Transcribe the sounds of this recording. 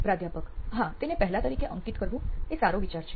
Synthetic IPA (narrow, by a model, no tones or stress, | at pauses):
pɾad̪ʱjapəkɦãt̪enepəɦlat̪əɾikeʔəŋkit̪kəɾbũesaɾoʋit͡ɕaɾt͡ɕʰe̥